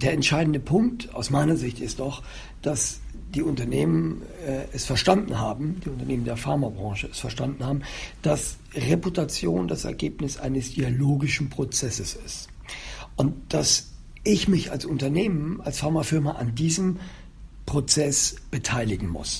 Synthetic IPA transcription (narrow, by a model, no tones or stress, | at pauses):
d̥eːɐɛntʃaɪdn̩dəpʰʊŋk̚ta̰ʊsmaɪnɐzɪçtɪstd̥ɔχ | d̥as | d̥iːʊntɐneːmən | ɛɛsfɛɐʃtandn̩haːbm̩diːʊntɐneːməndeːɐfaɐmabʁɑ̃ːʃəɛsfɛɐʃtandn̩haːbm̩d̥as | ʁeputat͡sjoːndasɛ̰ɐɡeːpnɪsʔa̰ɪnəsd̥ialoːɡɪʃn̩pʁ̥ot͡sɛsəsɪ̰st | ʔʊnt̚d̥as | ʔɪçmɪça̰lsʊntɐneːmənalsfaɐmafɪɐmɐʔa̰ndiːzəm | pʁ̥ot͡sɛsb̥ətʰaɪlɪɡŋ̩mʊ̰s